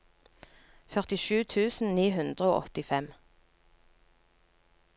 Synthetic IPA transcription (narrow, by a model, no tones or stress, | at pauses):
fœʁt̪ɪʃʉːt̪ʰʉːsn̩niːhʉnd̪ʁəoːʔɔ̰t̪ɪfɛm